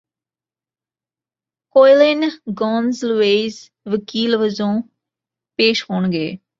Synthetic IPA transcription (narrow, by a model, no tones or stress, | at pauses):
koːɪlɪnɡɔ̃ːnzlʊeːz | ʋəkiːlʋəzõː | peːʃɦoːɳɡeː